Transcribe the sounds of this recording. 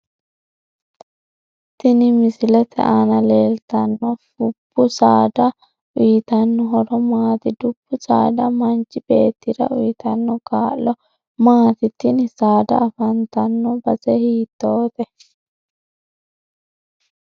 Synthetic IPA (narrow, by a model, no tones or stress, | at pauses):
t̪ɪnɪmɪsɪlɛt̪ʰɛ̰ʔaːnɐleːlt̪ɐnːɔfʊb̥ːʊsaːd̪ɐ | ʔʊjɪt̪ɐnːɔɦɔɾɔmaːt̪ɪd̪ʊb̥ːʊsa̰ːd̪ɐmɐnt͡ʃːɪbe̞ːt̪ːɪɾɐ̰ʔʊjɪt̪ɐnːɔɡaːlɔ | maːt̪ɪt̪ːɪnɪsaːd̪ɐ̰ːfɐnt̪ɐnːɔbɐsɛhiːt̪ːoːt̪ɛ